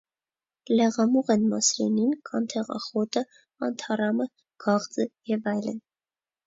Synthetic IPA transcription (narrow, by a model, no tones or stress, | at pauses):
lɛʁɑmuʁɛnmɑsɾɛninkʰɑnt̪ʰɛʁɑ̰χɔt̪ə | ɑnt̪ʰɑrɑmə | ɡ̥ɑʁd͡zəjɛvɑjlə̰n